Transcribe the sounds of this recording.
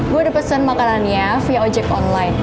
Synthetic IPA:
ɡuadəpəsənmakananjafjaɔd͡ʒɛkɔnlajn

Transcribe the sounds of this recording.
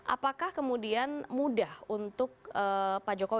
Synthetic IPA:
ʔa̰pakahkəmudianmudahunt̪ʊk̚əpad͡ʒokow

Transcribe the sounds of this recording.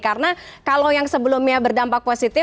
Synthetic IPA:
kaɾənakalowjaŋsəbəlumɲabərdampak̚posit̪ɪ

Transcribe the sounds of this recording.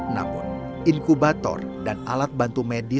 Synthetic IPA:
na̰mʊ̰n | iŋkubat̪ɔ̰r | dana̰lat̪̚bant̪umedi

